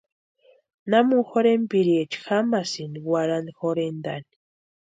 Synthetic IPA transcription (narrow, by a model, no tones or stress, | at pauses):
namuxoɾempiɾiet͡ʃxamasiniwaɾanixoɾend̪ani̥